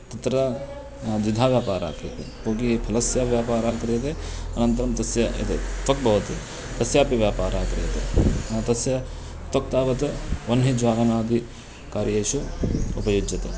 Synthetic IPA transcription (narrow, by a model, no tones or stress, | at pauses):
t̪ɐt̪ɾa | d͡ʒ̪ɪd̪ʱaːʋjaːpaːɾa̰ːkɾet̪ḛkõːkipʰɐlɐsjaːʋjaːpaːɾaːkɐɾiɐt̪eɐnɐ̃nt̪ɐɾɐmt̪ɐsjɐḛt̪ɐt̪ɐk̚bɐɦut̪i | t̪ɐsjaːpiʋjaːpaːɾaːkɐɾɐjɐt̪ḛnɐt̪ɐsjɐ | t̪ɐk̚t̪aːʋɐt̪ʋɐnɦid͡ʒʋaːɡɐnaːd̪ʱi | kaːɾjeːʃuʊpɐjod͡ʒɐt̪ɐ